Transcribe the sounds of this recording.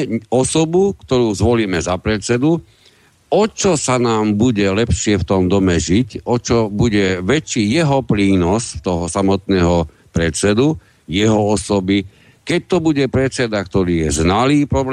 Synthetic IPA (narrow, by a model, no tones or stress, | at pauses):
ɔsɔbukt̪ɔɾuːzʋɔliːmɛzapɾɛt͡sɛd̪u | ɔt͡ʃɔsanaːmbuɟɛlɛpʃɪɛft̪ɔmd̪ɔmɛʒicɔt͡ʃɔbuɟɛʋɛt͡ʃiːjɛɦɔpɾiːnɔst̪ɔɦɔsamɔt̪nɛːɦɔ | pɾɛt͡sɛd̪u | jɛɦɔɔsɔbi | kɛc̚t̪ɔbuɟɛpɾɛt͡sɛd̪akt̪ɔɾiːjɛznaliːpɾɔb